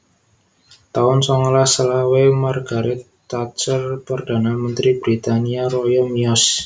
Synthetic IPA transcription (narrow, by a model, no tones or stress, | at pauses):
t̪aʊnsɔŋlasəlawemarɡ̥a̤ɾɪt̪ː | at͡ʃərpərd̪̥a̤namənt̪ɾibɾit̪aniaɾɔjɔmiɔs